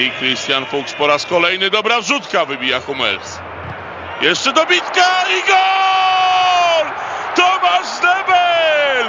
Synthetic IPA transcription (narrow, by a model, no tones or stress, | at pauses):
ikɾist̪ʲjanfukspɔɾaskɔlɛjnɘd̪ɔbɾavʐut̪kavɘbʲijaxumɛ̰ɾs | jɛʂt͡ʂɛd̪ɔbʲit̪kaiɡɔ | lt̪ɔmaʐd̪ɛbɛl